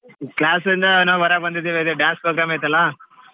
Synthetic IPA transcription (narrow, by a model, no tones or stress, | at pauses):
klaːs̬d̪ind̪ɐnaʋʋɐɾaːbɐnd̪id̪iːʋiɐd̪eɖãːnspɾoːɡɾaːmejt̪ɐlːa